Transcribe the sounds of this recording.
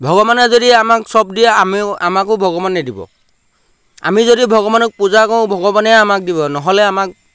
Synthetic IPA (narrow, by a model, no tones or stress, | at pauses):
bʱɔɡɔbaned͡ʒodiamaksɔb̚dieamiamakubʱɔɡɔbaned̪ibɔ̰ | a̰mid͡ʒodibʱɔɡɔbanɔk̚pud͡ʒakɔũbʱɔɡɔbaneamak̚dibɔnɔɦoleamak̚